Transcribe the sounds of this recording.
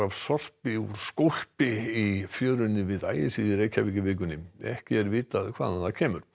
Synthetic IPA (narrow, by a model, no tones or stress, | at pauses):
av̥sɔr̥pɪṵɾ̥skowr̥pɪifjœːɾʏnːɪvɪða̰ːjɪsiðɪɾeːjcavɪːcɪvɪːk̬ʏnɪɛ̰hcɪɛɾvɪːt̪aðkʰvaːðanacʰɛːmʏɾ̥